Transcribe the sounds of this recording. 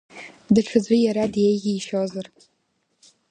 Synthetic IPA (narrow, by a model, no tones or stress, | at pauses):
dɨʈ͡ʂʷʰɨd͡zʷijaɾadjejɡʲiːʃozar